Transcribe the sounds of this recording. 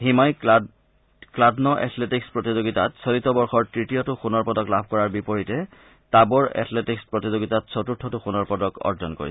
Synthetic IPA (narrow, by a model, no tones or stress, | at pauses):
ximaj | kladnɔʔɛ̰tʰletikspɹɔtizoɡita̰tsɔlitːɔbɔɹxɔɹtɹitijɔtʊxunɔɹpɔdɔklabʱkɔɹaɹbipɔɹitɛ | tabɔɹɛ̰tʰletikspɹɔtizoɡitatsɔtutʰːɔtʊxunɔɹpɔdɔkɔ̰ɹzɔnko̰ɹḭ